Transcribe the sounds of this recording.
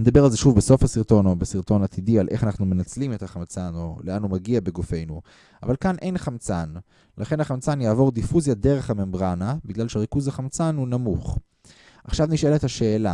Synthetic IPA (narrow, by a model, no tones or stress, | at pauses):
ned̪abealzeʃuvbeso̞fhasiʁt̪o̞no̞besiʁt̪o̞nat̪ʰidialʔeχanaχnume̞nat͡slimet̪haχamt͡sano̞leanumaɡiabe̞ɡofe̞jnu | a̰valkanʔe̞jnχamt͡san | laχe̞nhaχamt͡sanjaːvo̞ʁd̪ifuzjade̞ʁe̞χhame̞mbʁanabiɡlalʃeaʁikuzaχamt͡sanhunamuχ | ʔaχʃavniʃelet̪haʃe̞ːla